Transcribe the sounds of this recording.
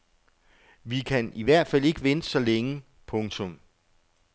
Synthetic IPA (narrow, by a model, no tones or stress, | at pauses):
ʋikʰæniʋæɐ̰d̥fæl̰e̝ɡ̥əʋensɒ̽leŋə | pʰɔ̽ŋt͡sʰɔ̽m